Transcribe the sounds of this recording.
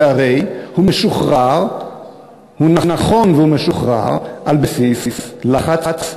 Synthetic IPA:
aʁejhumeʃuχʁaʁ | hunanaχo̞nvehumeʃuχʁa̰ʁʔalbesisslaχat͡sat͡s

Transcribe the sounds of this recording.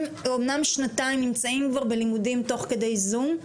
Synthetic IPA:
momnamʃnat̪aimnimt͡saimkvaʁbe̞limudimt̪o̞χke̞d̪ejzum

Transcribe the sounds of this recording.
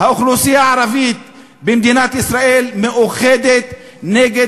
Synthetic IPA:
hauxlusijaʕaɾavit̪̚ | bemd̪inat̪ʔisɾaʔelmeʔuχed̪et̪ | neɡe

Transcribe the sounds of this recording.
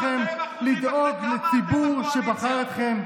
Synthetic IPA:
e̞mlid̪o̞ɡlet͡sibuʁʃebaχajet̪χe̞m

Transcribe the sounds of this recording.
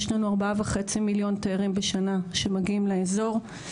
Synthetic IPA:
ʃlanuaʁbaaveχet͡similjo̞nt̪aaʁimbeʃanaʃemaɡiimleezo̞ʁ

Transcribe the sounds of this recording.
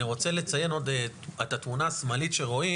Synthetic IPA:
iʁo̞t͡se̞le̞t͡saje̞no̞d̪eet̪at̪munaːsmalitʃeʁo̞i

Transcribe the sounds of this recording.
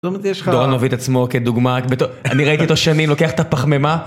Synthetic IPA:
omjʃd̪oʁanovit̪at͡smo̞ked̪uɡmabet̪oaniʁait̪iot̪oʃanimlo̞keaχet̪apaχmema

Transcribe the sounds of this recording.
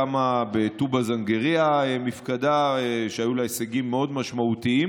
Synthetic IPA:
amabet̪ubazaŋɡeʁiaemifkad̪aeʃeajulaeseɡimːeo̞d̪maʃmaut̪iim

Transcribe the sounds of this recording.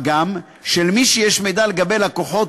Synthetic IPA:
ɡam | ʃelmiʃejeʃmejd̪aleɡabe̞jlakoħo̞t

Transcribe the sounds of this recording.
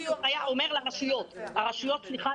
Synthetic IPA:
oajaʔome̞ʁlaʁaʃujo̞t̪aʁaʃujo̞t̪̚t͡sliχa

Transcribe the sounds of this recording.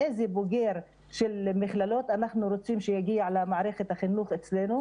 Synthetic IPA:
ʔejzeboɡe̞ɾ | ʃelmiχlalo̞t̪anaχnuɾot͡simʃejaɡiaʕalamaʕɾe̞χet̪haχinuχet͡slenu

